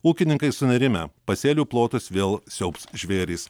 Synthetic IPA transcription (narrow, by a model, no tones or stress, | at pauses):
uːkʲɪnʲɪŋkɐɪsʊnʲɐɾʲɪmʲɛ̰pɐsʲeːlʲuːplˠoːt̪osʋʲeːlˠsʲɛʊpsʒʲʋʲeːɾʲiːs